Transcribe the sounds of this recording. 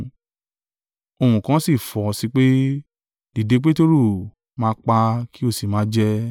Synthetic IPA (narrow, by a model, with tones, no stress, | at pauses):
o˧hũ˨kã˦si˦˨fɔ˨si˧k͡pe˦ | di˨de˨˧˦k͡pe˦to˦ɾu˦˨ | mãː˧˦k͡pa˧ki˦o˦˨si˨mãː˨˦d͡ʒɛ˦